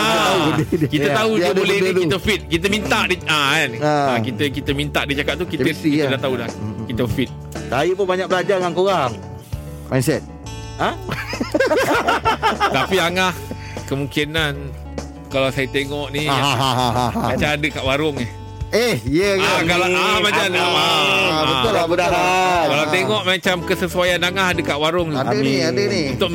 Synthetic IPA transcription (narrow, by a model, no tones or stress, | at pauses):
a | kit̪ət̪auəbolɛht̪kit̪əfit̪̚kit̪əmint̪aʔdiaanakit̪əkit̪əmint̪aʔdit͡ʃakat̪̚t̪ukit̪it̪ədaht̪audakit̪əfit̪̚ | sajəp̬ʊnbaɲak̚bəlad͡ʒaŋankoɣaŋ | majnsɛt̪̚ | a | t̪apiaŋah | kəmuŋkinan | kalawsajat̪eŋɔʔniɦaɦaɦamat͡ʃamadəkaʔwaɾʊŋɛh | ehiəɡakalaaamat͡ʃanabəʊlabədaɦakalaw̪eŋɔʔmat͡ʃamkəsəsuajanaŋaɦadəkaʔwaɾʊŋt̪udiaəniunt̪ʊʔ̚